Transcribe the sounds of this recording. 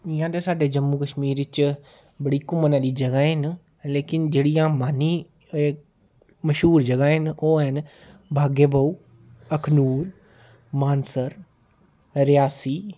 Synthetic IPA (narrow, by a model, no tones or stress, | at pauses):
ɪjãːt̪eːsaːɖeːd͡ʒəmːuːkəʃmiːɾʋɪt͡ʃ | bəɽiːkʊmənãːd̪iːd͡ʒəɡaːɦɪn | leːkɪnd͡ʒeːɽijãːmaːniː | məʃɦuːɾd͡ʒəɡaːɦɪnoːɦən | bʱaːɡeːbaːuː | əkʰnuːɾ | maːnsəɾ | ɾɪjaːsiː